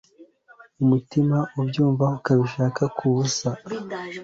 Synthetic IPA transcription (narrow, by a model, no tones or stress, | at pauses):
umutimaʔubjuːɱvaukaβiʃaːkakʰuβusa